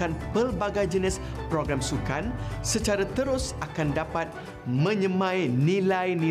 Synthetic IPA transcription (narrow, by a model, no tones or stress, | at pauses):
anpəlbaɡajd͡ʒənɪspɾoɡɾamsukansət͡ʃaɾat̪əɾʊsakandapat̪̚ | mə̃ɲəmãjnĩlajnĩ